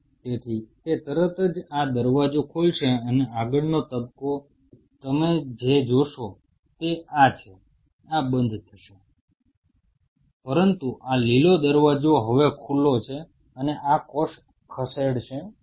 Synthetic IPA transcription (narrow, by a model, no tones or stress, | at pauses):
t̪et̪ʰit̪et̪əɾət̪əd͡ʒad̪əɾʋad͡ʒokʰulʃeəneaɡəɭnot̪əbko | t̪əmed͡ʒed͡ʒoʃo | t̪eʔat͡ʃʰe | abənd̪ʱt̪ʰəʃe | pəɾənt̪uʔalilod̪əɾʋad͡ʒoɦəʋekʰulot͡ʃʰe | əneʔakoʃ | kʰəseɽʃe